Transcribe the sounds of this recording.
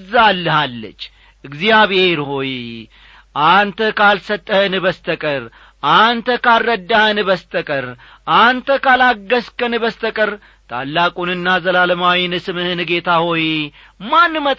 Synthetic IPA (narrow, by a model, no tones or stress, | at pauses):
zːalːəhalːə̰t͡ʃː | ɨɡzijaβe̞ɾho̞j | ʔant̪ʰəkalsət̪ʼːəhnɨβəst̪ʰəkʼəɾ | ʔant̪ʰəkʰalːəd̪ːahnɨβəst̪ʰəkʼəɾ | ʔant̪ʰəkalaɡːəskənɨbəst̪ʰəkʼəɾ | t̪ʰa̰lːakʼunɨnːazəlaləmawinɨsɨmɨhɨnɨɡe̞t̪ʰaho̞j | manːmət̪ʼ